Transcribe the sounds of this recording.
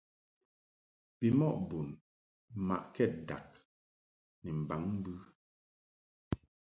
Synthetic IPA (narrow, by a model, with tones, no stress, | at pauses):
pi˨mɔ˦˨ʔbu˨n | ma̰˨ʔkɛ˦˨t̚da̰˨k̚ | nɛ˨m̩˨ba˨˦ŋm̩˦bʉ˦